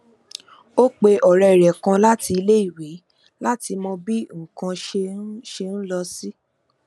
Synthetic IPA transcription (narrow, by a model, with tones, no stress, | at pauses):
o˦k͡pe˧ʔɔ˨ɾɛ˧˨ɾɛ˨kã˧la˦ti˧le˦i˦˨we˨˦ | la˦ti˧mɔ̃˧bi˦ŋ̩˨kã˧ʃe˧˦ʃe˧n̩˦lɔ˧si˦